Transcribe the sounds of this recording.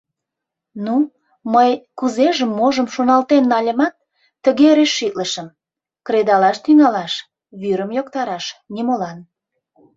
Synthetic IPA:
nu | məjkuzeʒəmːoʒəmʃonɑlt̪enːɑlʲəmɑt̪̚ː | əɣeɾeʃːit̪ləʃəm | kɾed̪ɑlɑʃt̪yŋɑlɑʃ | βyɾəmjokt̪ɑɾɑʃnimolɑn

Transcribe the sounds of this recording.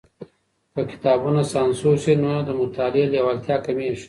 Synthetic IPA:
pəkɪ̥t̪aːbunasaːnsusenod̪əmʊt̪aːlelewalt̪ʰjaːkɐmeʃ

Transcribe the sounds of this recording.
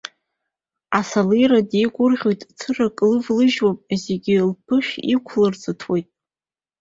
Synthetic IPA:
asalijɾadejɡʷʼʊrʁʲo̞jtʼt͡sʰɨrakʼlɨvlɨʒwapʼzeɡʲɪlpʰɨʃᶣikʷʰlɨrt͡sʼɨtʰwojtʼ

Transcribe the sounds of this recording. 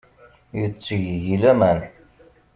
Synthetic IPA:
jət͡sːəʝðʝilæmæn

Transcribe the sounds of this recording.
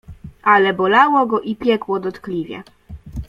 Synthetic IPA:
ʔalɛbɔlawɔɡɔʔipʲjɛkwɔd̪ɔt̪klʲivʲjɛ̰

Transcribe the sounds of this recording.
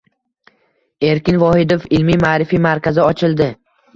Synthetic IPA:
e̞ɾkʲɪnvɒhɪd̪ofɪlmimaːɾɪfimaɾkʲazɪɒt͡ʃʰɪlˠd̪ɪ

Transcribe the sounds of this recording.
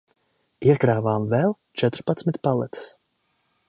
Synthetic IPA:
iɛkɾaːvaːmvɛlˠ | t͡ʃɛt̪ɾpat̪smit̪palˠɛt̪s

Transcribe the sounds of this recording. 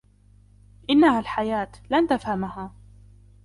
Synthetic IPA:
ʔɪnːahalħajaːt̪lant̪afhamahaː

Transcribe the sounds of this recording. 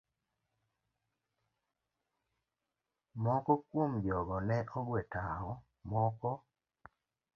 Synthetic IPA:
mɔkɔkwomd͡ʒɔɡɔnɛʔɔɡwetaɔ | mɔkɔ

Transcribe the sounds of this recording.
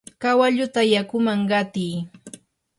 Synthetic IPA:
kawaʎʊt̪ajakʊmaŋɢɑt̪iː

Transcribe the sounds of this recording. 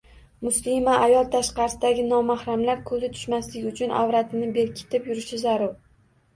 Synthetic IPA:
mʊslimaʔːjɒlˠt̪ʰaʃqɑɾɪsɪd̪aɡʲɪnɒmahɾamlaɾkʰɵzɪt̪ʰʊ̥ʃmaslɪɡʲʊt͡ʃʰʊnʔa̰vɾat̪ʰɪnɪbe̞ɾkʲʰɪ̥t̪ʰɪpjʊɾɪʃɪzaɾʊɾ

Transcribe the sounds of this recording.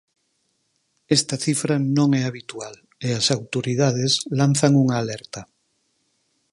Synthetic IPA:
est̪aθifɾanõŋɛaβ̞it̪ual | easawt̪oɾið̞að̞eslan̟θaŋuŋaːleɾt̪a

